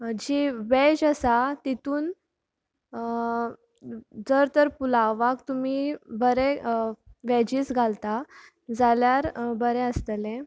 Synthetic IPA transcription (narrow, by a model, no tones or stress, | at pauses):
d͡ʑiʋɛd͡ʑasat̪it̪uːn | d͡zəɾt̪əɾpulaʋak̚t̪umiːbəɾe | ʋɛd͡ʑiːsɡʱalt̪a | d͡zaljaɾbəɾeəst̪əle